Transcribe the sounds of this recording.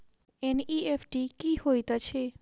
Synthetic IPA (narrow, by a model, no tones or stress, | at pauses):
eniepʈikihojt̪at͡ɕʰe